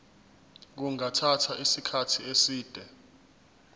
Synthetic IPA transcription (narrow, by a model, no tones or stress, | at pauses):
k̬uŋʱatʰatʰaʔisikʰatʰiesiːd̥ʱɛ